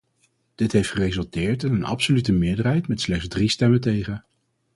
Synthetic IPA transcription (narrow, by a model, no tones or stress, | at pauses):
d̥ɪtɦejftχərejzɵlˠtɪːɹtɪnənɑ̰psolytəmɪːɹdərɦɛjtmɛtslɛχzdristɛmətejχə